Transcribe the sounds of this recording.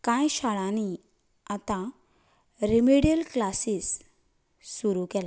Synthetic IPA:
kãjɕaɭãni | at̪ã | ɾimeɽijəlklasisː | uɾukɛla

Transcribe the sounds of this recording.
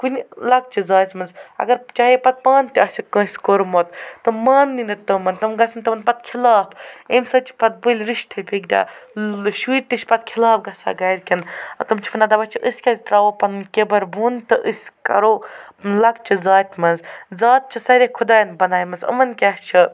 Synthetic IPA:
kunilɐk̚t͡ʃʰɨzaːt͡sʲmɐnzɐ̰ɡɐɾt͡ʃaːɦepɐt̪̚paːnt̪ʲiɐt͡ʃʰikə̃ːsʲkoɾmot̪ːɨmaːnːinɐt̪ɨmɐnt̪ɐmɡɐsint̪ɐmɐnpɐt̪̚kʰilaːpemsɐt͡ʃʰi̥pɐt̪̚bɨlʲɾiʃt̪ʰɐpʲʰiɡdʲa̰ːʃwiːɾt̪iʃʲpɐt̪̚kʰilaːpɡɐsa̰ːɡɐjɾkʲinɐ̰t̪ɐmt͡ʃʰi̥fʰɐnad̪ɐbɐt͡ʃʰiʔɨsʲkʲɐzit̪ɾaːʋopɐnnkʲebɐɾbuːnt̪ɨʔɨsʲkɐ̰ɾoːlɐk̚t͡ʃʰizaːt̪ʲmɐnzzaːt̪̚t͡ʃʰisɐɾʲekʰud̪aːjnbɐnaːjmɐnzɐ̰mɐnkʲɐht͡ʃʰɨ

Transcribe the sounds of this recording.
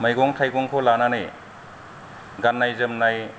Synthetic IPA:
majɡɔŋtʰajkɔŋkʰɔlananej | ɡanːajzɯmnaj

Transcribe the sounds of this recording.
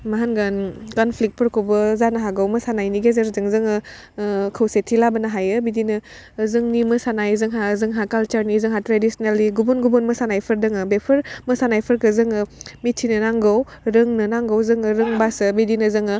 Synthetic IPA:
maɦanɡankɔnpʰlik̚t̚pʰəɾkʰowbɯzanɐɦaɡawmɐsanajniɡezeɾzɯŋzɯŋɯ | kʰɐwsetʰilabɐnaɦajɯbidinɯ | zɯŋnimɯsanajzɯŋɦazɯŋɦakalt͡ʃaɾnizɯŋɦatɾedisnelːiɡubunɡubonmɐsanajpʰɯɾdɯŋɯbepʰəɾmɐsanajpʰɯɾkɯzɯŋɯmitʰːinɯnaŋɡow | ɾɯŋnɯnaŋɡawzɯŋɯɾɯŋbasɯbidinɯzɯŋɯ

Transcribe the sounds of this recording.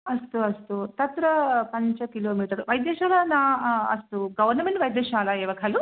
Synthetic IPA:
ɐst̪uɐst̪ut̪ɐt̪ɾɐpɐɲt͡ʃɐkiloːmiːʈɐɾuʋɐjd̪ɛːʃaːlanaːɐ̰st̪uɡɐʋɐɾnɐmeɳʈʋɐjd̪ɛːʃaːlaɛːʋɐkʰɐlu

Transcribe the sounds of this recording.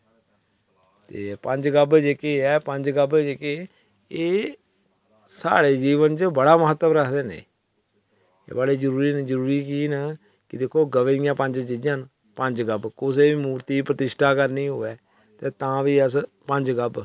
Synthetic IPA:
t̪ḛːpəɲd͡ʒɡəbd͡ʒekeːɛːpəɲd͡ʒɡəbd͡ʒekeː | eː | sa̰ːɽeːd͡ʒiːʋənt͡ʃəbəɽaːməɦət̪ːəmɾəkʰd̪eːnḛː | baɽeːd͡ʒəɾuːɾiːnd͡ʒəɾuːɾiːkiːnə | kɪd̪ekʰːoːɡəʋeːd̪ɪjãːpəɲd͡ʒd͡ʒɪd͡ʒən | pəɲd͡ʒɡəbkʊseːʋiːmuːɾt̪iːpɾət̪ɪʃʈʰaːkəɾniːɦʊːʋɛː | t̪eːt̪ãːʋiːəspəɲd͡ʒɡəb

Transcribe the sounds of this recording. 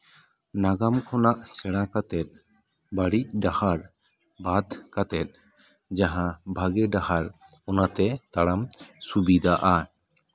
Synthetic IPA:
naɡamkʰɔnaʔsɛɽ̃akat̪ɛt̪̚ | baɽic̚ɖahaɾ | bad̪ʱkat̪ɛt̪̚ | d͡ʒaɦãbʱaɡɛɖahaɾ | ɔnat̪ɛt̪aɽamsubid̪ʱaʔa

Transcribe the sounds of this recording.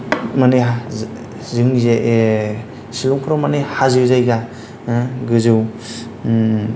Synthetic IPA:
mane | zɯŋzeʔ | silɔŋkʰɯɾɔmanehazɯwzajɡa | ɡɯzɯw

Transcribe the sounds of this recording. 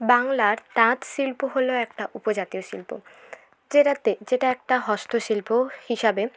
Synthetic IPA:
baŋlaɾʈãt̪ʃilpuɦoloɛk̚ʈaʔupod͡ʑat̪ioʃilpṵ | d͡ʑeɾat̪ed͡ʑeʈaɛk̚ʈaɦɔst̪ʰoʃilpohiʃabe

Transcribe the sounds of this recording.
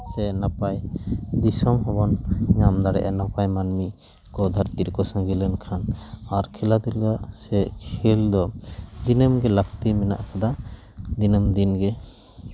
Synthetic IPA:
sɛnapajd̪isɔmɦɔbɔnɲamd̪aɽɛ̰ʔanapajmanmi | kɔd̪ʱaɾt̪iɾkɔsãŋɡilɛnkʰanaɾkʰɛlad̪ilɡaʔsɛʔkʰild̪ɔd̪inəmɡɛlak̚t̪imɛna̰ʔkʰad̪a | d̪inəmd̪inɡɛ

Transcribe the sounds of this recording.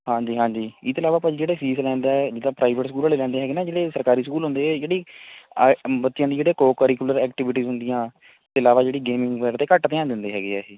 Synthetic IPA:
hãːɲd͡ʒiːɦãːɲd͡ʒiːɪt̪ːɪlaːʋaːpãd͡ʒd͡ʒeːɽeːfʰiːslɛ̃ːnd̪aːɛd͡ʒɪd̪aːpɾaːɪʋəʈsəkuːlaːleːlɛ̃ːnd̪eːɦɛːɡeːnaːd͡ʒeːɽeːsəɾkaːɾiːsəkuːlɦʊ̃nd̪eːɛːd͡ʒeːɽiː | bət̪ːijãːd̪iːd͡ʒeːɽeːkoːkəɾikʊləɾɛːkʈɪʋɪʈiːzɦʊ̃nd̪ɪjãː | t̪ːɪlaːʋaːd͡ʒeːɽiːɡeːmɪ̃ŋɡʋɛːɾt̪eːkəʈt̪ejãːnd̪ɪnd̪eːɦɛːɡeːɛːiː

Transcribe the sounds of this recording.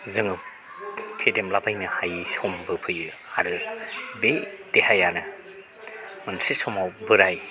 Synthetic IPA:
zɯŋɯ | pʰedemlabʰajnɯhajsɔmbɯpʰɯjɯa̰ɾɯbed̥ehajanɯ | mɯnsesɔmawbɯɾaj

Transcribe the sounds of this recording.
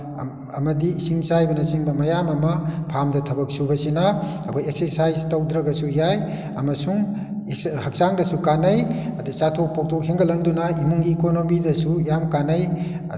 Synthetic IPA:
ɐmɐdisiŋsajbɐnɐsiŋbɐmɐjamɐmɐpʰamdɐtʰɐbɐk̚subɐsina | ɐkʰɔjekseɾsajztɐwdɾɐɡɐsujaj | ɐmɐsuŋ | hɐk̚saŋdɐsukanɐjɐdisatʰok̚pʰok̚tʰokɦeŋɡɐlɐndunaimuŋɡiːkonomidɐsujamkanɐj

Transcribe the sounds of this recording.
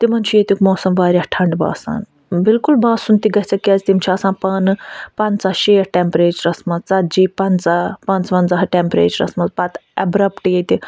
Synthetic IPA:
t̪imɐnt͡ʃʰijet̪ʲukmoːsɐmʋaːɾʲahʈʰɐɳɖba̰ːsa̰ːn | bɪlkulbaːsunt̪iɡɐt͡sɐkːiaːzʲt̪imt͡ʃʰɐːsãːnpɐːnpɐnt͡saːʃeːɾʈempɾeːt͡ʃɐɾɐsmɐt͡sɐd͡ʒiːpɐnt͡saːpɐnt͡sʋɐnzɐɦʈempɾeːt͡ʃɐɾɐ̰smɐt͡spɐt̪ɐbɾɐpʈjet̪ʲi

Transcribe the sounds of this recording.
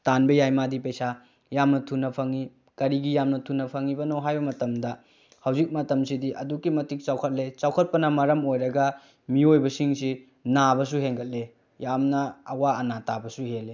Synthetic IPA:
tanbɐjajmadipɐjsa | jamnɐtʰunːɐpʰɐŋi | kɐɾiɡijamnɐtʰunːɐpʰɐŋibɐnoɦajbɐmɐtɐmdɐ | hɐwzik̚mɐtɐmsidiʔɐdukːimɐtik̚t͡ʃawkʰɐt̚let͡ʃawkʰɐt̚pɐnɐmɐɾɐmojɾɐɡɐ | miojbɐsiŋsi | nabɐs̬uɦeŋɡʰɐt̚le | jamnɐːwaɐnatabɐsuɦele

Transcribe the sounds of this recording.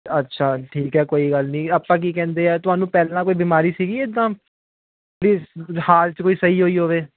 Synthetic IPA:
ətːʃʰaːʈʰiːkɦɛːkoːiːɡəlnĩːaːpːãːk̬iːkɛ̃ːnd̪eːɛːt̪ʊɦaːnũːpɛːleːnaːkoːiːbiːmaːɾiːsiːɡiːeːd̪ãː | toːɽiːhaːlt͡ʃəkoːiːsəiːɦoːiːɦoːʋeː

